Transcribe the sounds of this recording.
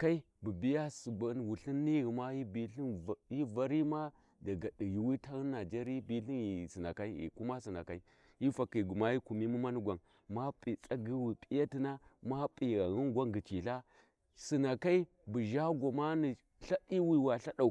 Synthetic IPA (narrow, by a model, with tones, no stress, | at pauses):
ka˦i˦ | bə˨bi˦ja˦si˨a˨n˨wu˨ɬi˦nːi˦ɣi˨ma˦ji˦bi˨ɬi˦n˨ji˦va˨ɾi˦ma˦ | da˨ɡa˨di˨ji˨wi˦ta˦ɣi˦nː˦a˨d͡ʒa˦ɾbi˦ɬi˦nji˨si˨na˨ka˦i˦ḭ˨ku˦ma˦si˨na̰˨ka˦i˦ | i˦fa˨ki˨ɡu˨ma˦ji˦ku˨mi˦mu˦ma˦nu˦ɡʷa˨n | ma˦pʼi˨t͡sʼa˦ɡi˦wi˨pʼi˦ja˦ti˦na˦ma˦pʼi˨ɣa˨ɣi˦nɡʷa˦ŋɡi˨t͡ʃi˨ɬa˦ | si˨na˨ka˦i˦ | bu˨ʒa˦ɡʷa˨ma˦ni˨ | ɬa˦di˦wi˦˨wa˨ɬa˦ɗa˨